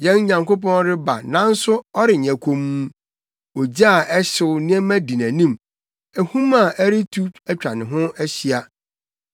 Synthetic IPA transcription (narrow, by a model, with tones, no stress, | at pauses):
jɛ̃˦n˦ɲã˨ŋko˦pɔ̃˦nɾɪ˦ba̰˨nã˦n̩˦sʊ˦ɔ˦ɾɪ˨ɲã˨kʷʰo˨mũ˦ | ɔ˨d͡ʑa˦a˨ʔɛ˦ɕɪ˦˨ʊ˦nɪ̃˦ɛ˦mæ̃˦di˨næ̃˨nĩ˦˨m | æ˨hũ˦ma˨ʔæ˦ɾɪ˦tʰu˦æ˦t͡ɕᶣa˨nɪ̃˨ɦʊ̃˦æ˦ɕi˦a˨